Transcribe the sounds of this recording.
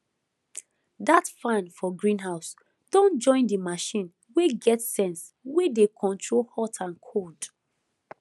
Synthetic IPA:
datfãnfɔɡɹĩnɦaʊs | d̥ɔ̃nd͡ʒɔ̃ɪ̃ndimaʃĩn | weɡɛtsɛ̃nswedekʰɔ̃ntʰɹolhɔtʰãnkʰold

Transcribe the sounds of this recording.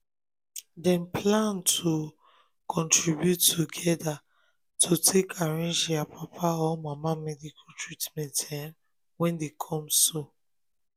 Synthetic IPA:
dɛ̃nplãntʰu | kʰɔ̃ntɹibjutːuɡɛda | tʰutʰekʰaɹɛ̃nʃiapʰapʰaɔmamamɛdikʰatɹitmɛ̃ntɛm | wɛ̃ndekʰɔ̃mso

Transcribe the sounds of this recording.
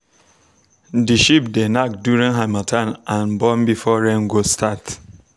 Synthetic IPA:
diʃip̚denakdjuɾĩŋɦamatʰanãnbɔmbifɔɾɛŋɡostʰat

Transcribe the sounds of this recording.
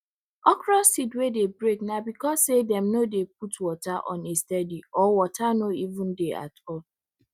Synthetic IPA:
ɔkɾɔsidwedebɾeknabikɔsːedɛmnodep̚utwɔtaʔɔ̰̃nestɛdiɔwɔtʰanoivũndea̰tɔl

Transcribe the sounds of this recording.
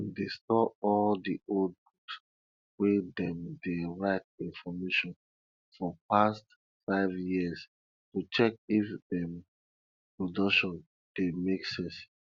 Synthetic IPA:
destɔɔldiold̚buts | wedɛ̃mdeɹaɪt̚ĩnfɔmeʃɔ̃n | fɔpast | faɪvjiəz | tut͡ʃɛk̚ifdɛm | pɹodɔkʃɔ̃n | d̥emeksɛ̃s

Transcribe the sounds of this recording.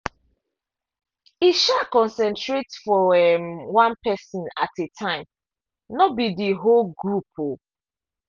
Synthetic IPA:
iʃakɔ̃nsɛ̃ntɹetfɔɛmwãnpɛsɔ̃na̰tetʰãɪ̃m | nɔbidiɦolɡɹupʰo

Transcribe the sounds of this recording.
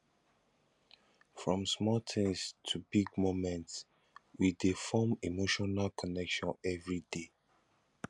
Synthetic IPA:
fɹɔ̃msmɔtʰĩstʰubiɡ̚momɛ̃nts | widefɔmimoʃɔnalkʰɔnɛkʃɔ̃nɛvɹide

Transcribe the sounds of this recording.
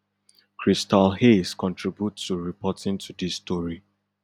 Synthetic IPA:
kʰɹistalheskɔ̃ntʰɹibjutːuɹipʰɔtĩntʰudisːtɔɹi

